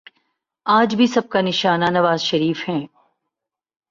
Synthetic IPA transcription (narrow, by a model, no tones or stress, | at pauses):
aːd͡ʒbʱisɐb̚kanɪʃaːnanɐʋaːzʃɐɾiːfhɛ̃ː